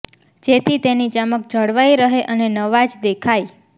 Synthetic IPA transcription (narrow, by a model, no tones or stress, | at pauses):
d͡ʒet̪ʰit̪enid͡ʒamək̚d͡ʒʱəɽʋajɾəɦeʔənenəʋad͡ʒd̪ekʰaj